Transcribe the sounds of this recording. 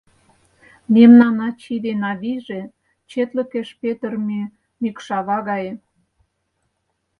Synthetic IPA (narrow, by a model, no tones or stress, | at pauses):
memnɑnɑt͡ɕid̪enɑβiʒe | t͡ɕet̪lə̆keʃpet̪ərmy | mikʃɑβɑɣɑjĕ